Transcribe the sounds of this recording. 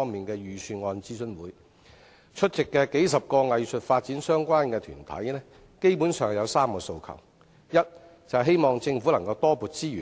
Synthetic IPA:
ɔː˥ŋmiː˨nkɛː˧jyː˨˩syː˧nŋɔː˧nt͡siː˥sɵ˥nwuː˨˥j | t͡ʃʰɵ˥t̚t͡sɪ˨kːɛː˧ke˨˥jsɐ˨p̚kɔː˧ŋɐ˨jsɵ˨t̚faː˧t̚t͡siː˨˥nsœː˥ŋkʷwaː˥nkɛː˧t̪ʰy̰ː˨˩nt̪ʰɐ̰˨˥jnɛː˥ | ke˥jpu˨˥nsœː˨˩ŋjɐ˨˧wsaː˥mkɔː˧so˧wkʰɐ̰˨˩w | jɐ˥t̚ | t͡sɐ˨wɦe˥jmɔː˨ŋt͡sɪ˧ŋfu˨˥lɐ˨˩ŋkɐ˧wt̪ɔː˥puː˨˧t̚t͡siː˥yː˨

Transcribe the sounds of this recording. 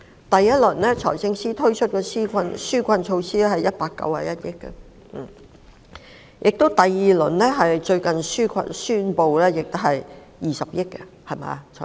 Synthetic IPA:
t̪ɐ˨jːɐ˥t̚lɵ˨˩nlɛː˥t͡ʃʰɔ̰˨˩jsɪ˧ŋsiː˥t̪ʰɵ˥ɥt͡ʃʰɵ˥t̚kɛː˧siː˥kʰʷɐ˧nsyː˥kʷʰɐ˧nt͡ʃʰo˧wsiː˥lɛ˥hɐ˨jɐ˥t̚paː˧kːɐ̰˧wha̰ː˨jɐ˦˥t̚jɪ˥kːɛ̰˧˨˩ | jʔɪ˨k̚t̪o˥wt̪ɐ˨jːiː˨˩lɵ˨˩nlɛː˥ɦɐ˨jt͡ʃɵ˧ɥkɐ˨nsyː˥kʷʰɐ̰˧nsyː˥npo˨wlɛː˥jɪ˨k̚t̪o˥hɐ˨j | jiː˨sɐ˨p̚jɪ˥kːɛ˧ | hɐ˨˩jma̰ː˨t͡sʰɔ̰˨˩

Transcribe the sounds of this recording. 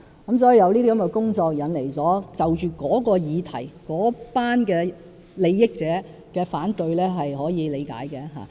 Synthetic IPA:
kɐ˨˥ms̬ɔː˨˥jiː˨jɐ˨˧wniː˥ɾʰi˥kɐ˨˦mkɛ˧kʊ˥ŋt͡sɔː˧k̚jɐ˨˧nle˨˩jt͡sɔː˨˥t͡sɐ˨wt͡ʃyː˨kɔː˨˥kɔː˧jiː˨˧t̪ʰɐ˨˩jkɔː˨˥paː˥nkɛː˧ | le˨˧jːɪ˥k̚t͡sɛː˨˥ | kɛː˧faː˨˥nt̪ɵ˧ɥlɛː˥ɦɐ˨jhɔː˨˥jiː˨˧le˨˧jka̰ː˨˥jkɛ˧ɦa̰ː˨

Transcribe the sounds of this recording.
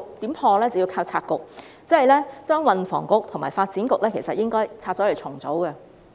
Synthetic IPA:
t̪i˨˥mpʰɔː˧lɛː˥t͡swjiː˧wkʰaː˧wt͡sʰaː˧t̚kʊ˨k̚ | t͡sɐ˥hɐ˨jlɛː˥t͡ʃœː˥ŋwɐ˨nfɔ̰ː˨˩ŋkʊ˨k̚t̪ʰʊ˨˩maː˨˩faː˧t̚t͡siː˨˥nkʊ˨k̚lɛː˥kʰe˨˩jsɐ˨t̚jɪ˥ŋkɔː˥jt͡sʰaː˧t̚t͡sɔː˨˥le˨˩t͡sʰʊ˨˩ŋt͡so˨˥wɡɐ˧

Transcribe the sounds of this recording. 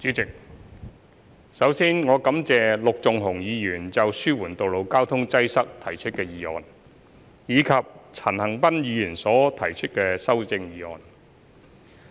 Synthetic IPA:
t͡ʃyː˨˥t͡sɪ˨k̚ | sɐ˨˥wsiː˥nŋɔː˨˧kɐ˨˥mt͡sɛː˨lʊ˨k̚t͡sʊ˨ŋɦʊ˨˩ŋjiː˨˧jyː˨˩nt͡sɐ˨wsyː˥wuː˨˩nt̪o˨wlo˨wkaː˥wt̪ʰʊ˥ŋt͡sɐ˥jsɐ˥k̚t̪ʰɐ˨˩jt͡ʃʰɵ˥t̚kɛː˧jiː˨˧ɔ̰ː˨n | jiː˨˧kʰɐ˨p̚t͡sʰɐː˨˩nhɐ˨˩ŋpɐ˥njiː˨˧jyː˨˩nsɔː˨˥t̪ʰɐ˨˩jt͡ʃʰɵ˥t̚kɛː˧sɐ˥wt͡sɪ˧ŋjiː˨˧ɔ̰ː˨n

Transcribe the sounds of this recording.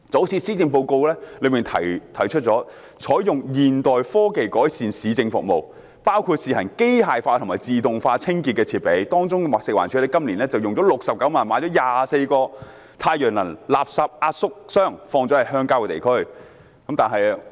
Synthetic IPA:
t͡sɐ˨˥wsiː˨˥siː˥t͡sɪ˧ŋpo˧wko˧wlɛː˥lɵ˨˧miː˨˩nt̪ʰɐ̰˨˩jt̪ʰɐ˨˩jt͡ʃʰɵ˥t̚t͡ʃt͡sɔː˨˥ | t͡ʃʰɔː˨˥jjʊ˨ŋjiː˨nt̪ɔː˨jfɔː˥ke˨jkɔː˨˥jsiː˨nsiː˨˧t͡sɪ˧ŋfʊ̰˨k̚mo˨w | paː˥wkʰuː˧t̚siː˨˧hɐ˨˩nke˥jhaː˨jfaː˧t̪ʰʊ˨˩ŋmaː˨˩t͡siː˨t̪ʊ˨ŋfaː˧t͡sʰɪ˥ŋkiː˧t̚kːɛː˧t͡sʰiː˨˩t̚pe˨˥jt̪ɔː˥ŋt͡sʊ˥ŋkɛ˧waː˨k̚sɪ˨k̚wa̰ː˨nt͡ʃʰyː˨˥lɛ˥˩kɐ˥mliː˨˩nlɛː˥t͡sɐ˨wjʊ˨ŋt͡sɔː˨˥lʊ˨k̚sɐ˨p̚kɐ˨˥wmaː˨nmaː˨˥jt͡ɕɔː˨˥jaː˨˩se˧jkɔː˧ | t̪ʰaː˧jœː˨˩ŋlɐ˨˩nlaː˨p̚sɐ˨˧p̚aː˧t̚sʊ˥k̚sœː˥˩ŋfɔː˧ŋt͡sɔː˨˥hɐ˨jɦœː˥ŋkaː˥wkɛ˧t̪ḛ˨˩jkʰɵ˥˩ɥ | kɐ˨˥mt̪aː˨nɦɐ˨j

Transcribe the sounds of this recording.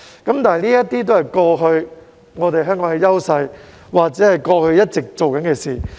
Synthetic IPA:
kɐ˨˥mt̪aː˨n˨jniː˥jɐ˥t̪iː˥t̪̬o˥hɐ˨jkɔː˧ɦɵ˧ɥ | ŋɔː˨˧t̪e˨jɦœː˥ŋkɔː˨˥ŋkɛ˧jɐ˥wsɐ˧j | waː˨k̚t͡sɛː˨˦˥hɐ˨jkɔː˧hɵ˧ɥjɐ˥t̚t͡sɪ˨k̚t͡so˨wkɐ˨˦nkɛː˧siː˨˩

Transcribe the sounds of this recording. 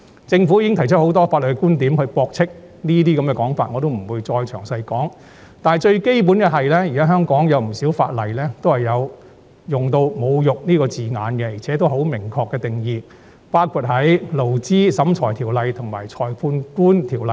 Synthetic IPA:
t͡sɪ˧ŋfu˨˥jiː˨˧˥ɪ˥ŋt̪ʰɐ˨˩jt͡ʃʰɵ˥ho˨˧˥wt̪ɔː˥faː˧t̚lɵ˨˩˥kuː˥nt̪iː˨˥mhɵ˧pɔː˧k̚t͡sʰɪ˥k̚ | niː˥t̪iː˥kɐ˨˦mkɛː˧kɔː˨˥ŋfa̰ː˧t̚ŋɔː˨˧t̪o˥wm̩˨˩wuː˨˧jt͡sɔː˧jt͡ʃʰœː˨˩ŋsɐ˧jkɔː˨˥ŋ | t̪aː˨n˨jt͡ʃɵ˧ɥke˥jp̬uː˨˥nkɛ˧ɦɐ˨jlɛː˥jiː˨˩kaː˥ɦœː˥ŋkɔː˨˥ŋjɐ˨˧wm̩˨˩siː˨˥wfa̰ː˧t̚lɐ˨jlɛː˥t̪o˥whɐ˨jːɐ˨˧w | jʊ˨˩ŋt̪o˧wmo˨˧wjʊ˨k̚niː˥kɔː˧t͡siː˨ŋaː˨˧nkɛ˧jiː˨˩t͡sʰɛː˨˥t̪̬wɦo˨˥wmɪ˨˩ŋkʰɔː˧kːɛː˧t̪ɪ˨ŋjiː˨˧ | paː˥wkʰu˧t̚hɐ˨˥jlo˨˩wt͡siː˥sɐ˨˥mt͡ʃʰɔː˨˩jt̪ʰiː˨˩wlɐ˨jt̪ʰʊ˨˩ŋmaː˨˩jt͡ʃʰɔː˨˩jpʰuː˧nkuː˥nt̪ʰiː˨˩wlɐ˨˩j

